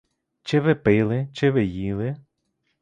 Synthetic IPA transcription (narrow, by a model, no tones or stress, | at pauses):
t͡ʃɪʋɪpɪlˠɪt͡ʃɪʋɪjilˠɪ